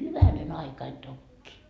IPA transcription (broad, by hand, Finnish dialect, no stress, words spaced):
hyʋænen ɑikɑin tokːiː